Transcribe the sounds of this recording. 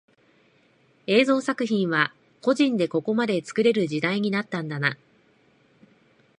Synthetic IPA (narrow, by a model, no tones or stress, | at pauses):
e̞ːzo̞ːsakɯ̟çĩɰ̃βa | ko̞ʑĩnd̪e̞ko̞ko̞mad̪e̞t͡sɨ̥kɯ̟ɾe̞ɾɯ̟ʑid̪aiɲ̟inat̪ːãnd̪ana